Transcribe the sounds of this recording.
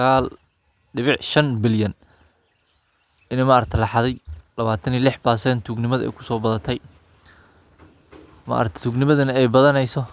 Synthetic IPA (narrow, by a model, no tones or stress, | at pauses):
ɐɣaːl | ɖɪβɪʕʃɐnbɪljɐn | ɪnɛmɐʔɾɐt̪ʰlɑħɑðɛjlɐβaːt̪ʰɐnilɪħbaːsɛnt̪ʰuɡnɪmɐðɛ̰jkʰʊ̥sɔːbɐðɐt̪ʰɛj | ma̰ʔɾk̚t̪ʰɛ̥t̪ʰuːɡnɪmɐðɐnɐɛjbɐðɐnɛjsɔ